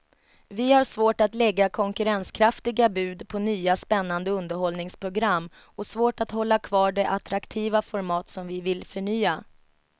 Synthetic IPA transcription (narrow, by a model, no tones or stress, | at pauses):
vɪhaʂvoːʈat̪lɛɡːakʰɔŋkɵɾɛnskʰɾaft̪ɪɡabʉ̟ːd̪pʰɔnyːaspɛnːand̪əɵnd̪əɾhɔlnɪŋspʰɾʊɡɾamː | ɔsvoːʈat̪hɔlːakʰvɑːɖɛʔat̪ɾakt̪ʰiːvafɔɾmɑːt̪sɔmvɪvɪlfœɳyːa